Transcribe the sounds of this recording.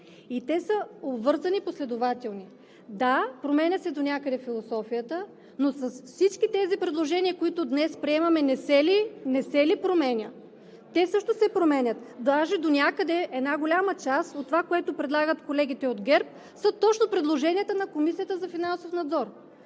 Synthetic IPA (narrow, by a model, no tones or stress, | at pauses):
it̪ɛsəobvɤɾzɐniposlɛd̪ovat̪ɛlˠni | d̪apɾomɛnʲət̪sɛd̪onʲakəd̪ɛfilˠosɔfijət̪ə | nosɐsfsit͡ʃkit̪ɛzipɾɛd̪lˠoʒɛnʲiəkoit̪ʊd̪nɛspɾiɛmɐmɛnɛsɛlinɛsɛlipɾomɛnʲə | t̪ɛsɤʃt̪osɛpɾomɛnʲət̪d̪aʒɛd̪onʲakəd̪ɛɛd̪naɡolʲamət͡ʃasot̪ːovakoɛt̪opɾɛd̪lˠaɡət̪kolɛɡʲit̪ɛod̪ɡɛɾp̚ | sət̪ɔt͡ʃnopɾɛd̪lˠoʒɛnʲiət̪ənɐkomisijət̪əzɐfinansofnɐd̪zɔɾ